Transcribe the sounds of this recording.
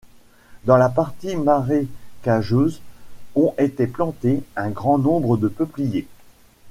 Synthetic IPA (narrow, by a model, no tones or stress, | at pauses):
d̪ɑ̃lapaʁt̪imaʁekaʒøzɔ̃et̪eplɑ̃t̪eɛ̃ɡʁɑ̃nɔ̃bʁəd̪əpəplije